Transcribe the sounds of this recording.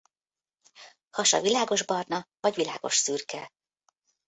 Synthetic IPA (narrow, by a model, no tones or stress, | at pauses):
hɒʃɒ̰vilaːɡo̞ʒbɒrnɒvɒɟvilaːɡo̞ʃsyːrkɛ